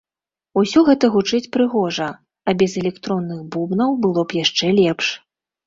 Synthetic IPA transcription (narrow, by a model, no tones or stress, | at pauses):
usʲɔɣɛt̪ɐɣut͡ʂɨt͡sʲpɾɨɣɔʐɐ | ɐbʲɛzɛlʲɛkt̪ɾɔnːɨxbubnɐwbɨlˠɔpjaʂt͡ʂɛlʲɛpʂ